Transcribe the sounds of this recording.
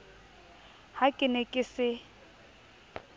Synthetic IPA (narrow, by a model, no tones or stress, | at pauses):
hakʼɪnɛkʼɪsɪ